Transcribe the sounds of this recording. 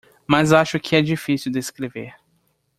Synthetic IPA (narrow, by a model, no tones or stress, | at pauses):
mazaʃʊkʰɪɛd͡ʒifisiwd̪eskɾeveɾ